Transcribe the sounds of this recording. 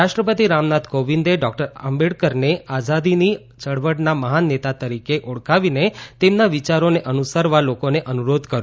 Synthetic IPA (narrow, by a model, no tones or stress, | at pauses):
ɾaʃʈɾəpət̪iɾamnat̪koʋind̪eɖɔk̚ʈəɾə̰mbeɽkəɾnead͡ʒad̪ini | t͡ʃəɽʋəɽnaməɦanet̪at̪əɾikeʔoɽkaʋinet̪emnaʋit͡ʃaɾoneʔənusəɾʋalokoneʔənuɾod̪kəɾjũ